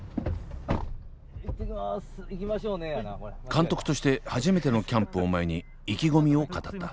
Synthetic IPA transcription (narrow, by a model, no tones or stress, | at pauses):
it̪ːekʲimasikʲimaɕoːnekãnt̪o̞kɯ̟̥t̪o̞ɕi̥t̪e̞haʑime̞t̪e̞no̞kʲãmpɯ̟omaeɲ̟i | ikʲiɡo̞mʲio̞kat̪at̪ːa